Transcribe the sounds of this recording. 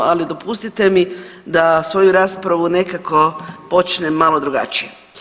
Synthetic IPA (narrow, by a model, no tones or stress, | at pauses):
alid̪o̞pust̪it̪e̞mid̪asʋo̞juɾaːspɾaʋune̞kako̞po̞t͡ʃnemalo̞d̪ɾuɡa̰t͡ʃije